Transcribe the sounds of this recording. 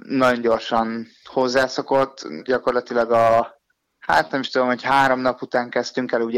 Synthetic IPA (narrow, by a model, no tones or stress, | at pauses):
nːɒɟo̞ɲɟo̞rʃɒn | ho̞zːaːsoko̞t̪ːɟɒko̞rlɒt̪ilɒɡɒ | ha̰t̪nɛmiʃt̪ud̪omho̞chaːɾo̞mnɒput̪aːŋkɛst̪yŋkɛluɟ